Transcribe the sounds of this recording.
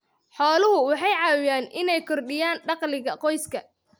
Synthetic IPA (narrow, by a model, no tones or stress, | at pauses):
ħɔːlʊɦʊwɑħɑjʕɑːwɪjaːnʔɪnɛjkʰɔrɖɪjaːnɖɑqlɪɣɐqɔjskʰɐ